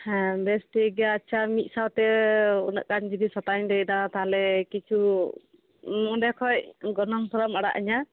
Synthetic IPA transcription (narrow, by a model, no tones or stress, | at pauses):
ɛbɛsʈiɡɛaːt͡ʃʰamit̪̚ˀsawt̪ɛunə̰ʔkand͡ʒid̪isɔt̪aɲdɛjd̪at̪aɦalɛkit͡ʃʰu | mɔɖɛkʰɔj̚ɡɔnɔŋsɔɾɔmaɽa̰ʔiɲa